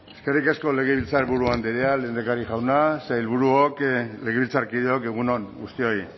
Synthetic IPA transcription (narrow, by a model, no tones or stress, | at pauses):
eske̞rikasko̞le̞ɣ̞eβilt͡saɾβuɾuand̪iɾealeːnd̪ekaɾiʝawnasajlβuɾuokle̞ɣeβilt͡saɾkið̞eoke̞ɣ̞unonɡust̪io̞i